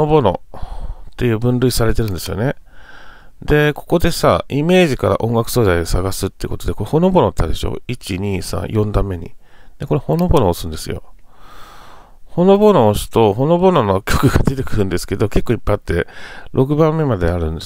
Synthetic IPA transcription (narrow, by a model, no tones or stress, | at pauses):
obo̞no̞̰ | t̪ːe̞jɯ̟ːbɯ̟̃nɾɯ̟isaɾe̞t̪eɾɯ̟nd̪e̞sɨjo̞̰ne | d̪e̞ko̞ko̞d̪e̞saime̞ːʑikaɾa̰ʔõ̞ŋɡakɯ̥so̞ːd̪aid̪osaɡasɨt̪ːeiɯ̟ko̞t̪o̞d̪eko̞ɾeho̞no̞bo̞not̪ːad̪e̞ɕo̰it͡ɕiɲ̟iːsã̰jõ̞nd̪ãmːe̞ɲ̟ḭd̪̥e̞ko̞ɾeho̞no̞bo̞no̞ːsɨ̃nd̪esɨ̰jo̞̰ | ho̞no̞bo̞no̞ːsɨ̥t̪o̞ɦo̞no̞bo̞nonokʲokɯ̟ɡad̪e̞t̪e̞kɯ̟ɾɯ̟̃nd̪e̞sɨ̥ke̞d̪o̞ke̞kːo̞ipːaat̪ːe̞ɾʔo̞k̬ɯ̟bãmːe̞mad̪e̞aɾɯ̟̃nd̪e